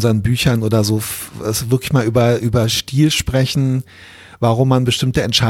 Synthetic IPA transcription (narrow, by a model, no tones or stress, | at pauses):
nzɐʁənbyːçɐnʔoːdɐzoːfɛsvɪɐklɪçmaːlʔyːbɐʔyːbɐʃtiːlʃpʁ̥ɛçn̩ | vaʁʊmːanbəʃtɪmtəɛntʃa